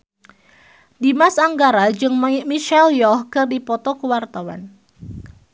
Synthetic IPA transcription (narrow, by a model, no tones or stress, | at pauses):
dimasaŋɡaɾad͡ʒɨŋmimiʃɛljɔhkɨrdipɔt̪ɔkəwart̪awa̰n